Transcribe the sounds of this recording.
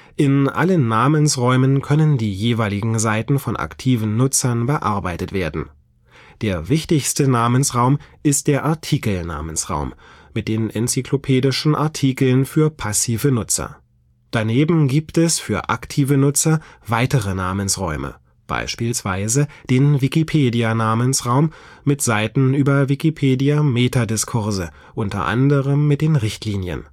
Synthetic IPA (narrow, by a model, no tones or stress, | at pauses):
ʔɪnʔa̰lənːaːmənsʁɔʏmənkʰœnəndiːjeːvaɪlɪɡŋ̩zaɪtn̩fɔnʔa̰ktʰiːvn̩ːʊt͡sɐnbəʔaɐbaɪtətv̥eːɐdn̩ | d̥eːɐvɪçtɪçstənaːmənsʁaʊmʔɪst̚d̥eːɐʔaɐtʰiːkl̩na̰ːmənsʁa̰ʊm | mɪt̚d̥eːnʔɛnt͡siklopʰeːdɪʃn̩ʔaɐtʰiːkl̩nfyːɐpʰasiːvənʊt͡sɐ̰ | d̥aneːbm̩ɡiːptɛsfyːɐʔa̰ktʰiːvənʊt͡sɐvaɪtəʁənaːmənsʁɔ̰ʏmʔə̰ | b̥a̰ɪʃpiːlsv̥aɪzəd̥eːnvikipʰeːdianaːmənsʁaʊmːɪtz̥aɪtn̩yːbɐvikipʰeːdijameːtadɪskʰʊɐzə | ʔʊntɐ̰ʔa̰ndəʁəmːɪt̚d̥eːnʁɪçtʰliːnjə̰n